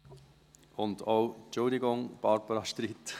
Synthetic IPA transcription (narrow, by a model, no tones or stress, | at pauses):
ʊndowt͡ʃʊldɪɡʊŋb̥ɑɾbəɾɑʃtɾiːt̪